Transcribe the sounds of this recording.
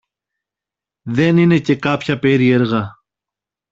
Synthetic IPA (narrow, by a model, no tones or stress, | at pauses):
ðe̞nine̞ce̞kɐpçɐpe̞ɾie̞ɾɣɐ